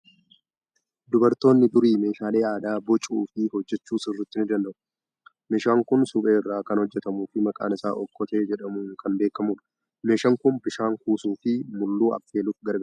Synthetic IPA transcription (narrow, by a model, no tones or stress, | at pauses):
d̪ʊbɐɾt̪o̞ːnːɪd̪ʊɾiːme̞ːʃaːle̞ːaːd̪aːbɔt͡ʃʼuːfɪhɔd͡ʒːɛt͡ʃːuːsɪrːɪt̪ːɪnɪd̪ɐnd̪ɐʔʊ̥ | me̞ːʃaːŋkʊnsʊbʼeːrːaːkɐnhɔd͡ʒːɛt̪ɐmuːfɪmɐkʼa̰ːnɪsaːʔɔkːɔt̪eːd͡ʒɛᶑɐmuːŋkʰɐnbe̞ːkːɐmuːᶑɐ̥ | me̞ːʃɐŋkʊnbɪʃaːŋkuːsuːfɪmʊlːuːɐ̰fːe̞ːluːfɡɐɾb